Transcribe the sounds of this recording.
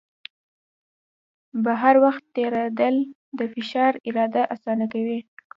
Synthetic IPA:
baɦaɾwaxt̪ːeɾad̪əl | d̪əfɪʃɑɾɪɾɑd̪aʔasɑnakawi

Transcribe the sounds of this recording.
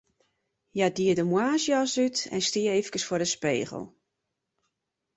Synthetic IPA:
jadiədəmwaːsjɔsytɛ̰nstiəeːfəkəsfʊrdəspḛːɣə̰lˠ

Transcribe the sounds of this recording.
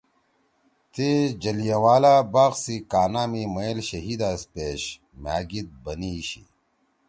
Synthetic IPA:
t̪ed͡ʑɐlijɐwaːlaːbaːqsikaːnaːmimɐlɕɐɦiːd̪aːspeːɕ | ma̰ːɡit̪̚bɐniːɕḭ

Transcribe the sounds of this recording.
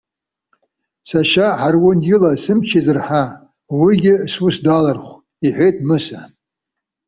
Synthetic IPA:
saʃaħarwʊnjɪlasɨmt͡ʃʰizɨrħa | wiɡʲɪswusdalarχʷ | iħʷejtʰmɨsa

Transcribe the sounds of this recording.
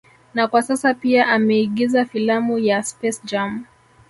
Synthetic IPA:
nakwasasapiaʔamɛiɠizafilamujaspɛsd͡ʒam

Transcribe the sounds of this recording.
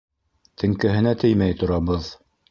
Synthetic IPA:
t̪ʰɘ̆ŋkɘ̆ɦɘ̆næt̪ʰɘjmæjt̪ŏɾɑβɤð

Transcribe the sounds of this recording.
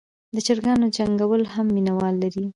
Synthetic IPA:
d̪ət͡ʃəɾɡɑnod͡ʒaŋɡawəlhamːinawɑlːaɾi

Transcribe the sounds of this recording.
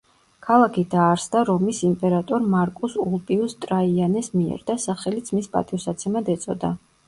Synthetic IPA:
kʰalˠakʰid̪aːɾsd̪aɾɔmisimpʼɛɾat̪ʼɔɾmaɾkʼusulˠpʼiust̪ʼɾaianɛsmiɛ̰ɾd̪asaχɛlit̪sʰmispʼa̰t̪ʼiɔsat̪sʰɛmad̪ɛt̪sʼɔ̰d̪a̰

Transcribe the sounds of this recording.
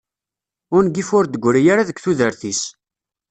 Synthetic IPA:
ʊnɡifʊɾd̪əɡʷːɾijaɾaðəkʷθuðəɾθis

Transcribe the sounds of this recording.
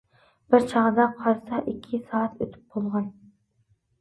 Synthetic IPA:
b̥ɪɾt͡ʃʰɑʁd̪ɑqʰɑɾsɑʔikʲʰːɪsɑːɑt̪ʰøt̪ʰy̥p̚bolˠʁɑn

